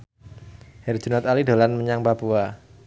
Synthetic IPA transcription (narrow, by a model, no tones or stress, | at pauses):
hɛrd͡ʒunat̪alido̤lanməɲaŋpapua